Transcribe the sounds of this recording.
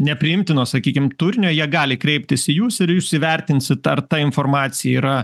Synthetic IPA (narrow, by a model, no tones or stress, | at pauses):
nʲɛpʲɾʲɪɪmʲt̪ʲɪnoːsɐkʲiːkʲɪmt̪ʊɾʲnʲoːjiɛɡɑːlʲɪkɾʲɛɪp̚ʲt̪ʲɪsɪjuːsɪɾjuʃsɪʋʲɛɾʲt̪ʲɪnʲsʲɪt̪ɐrt̪ɐɪnfoːrmɑːt̪sʲɪjɛiːɾɐ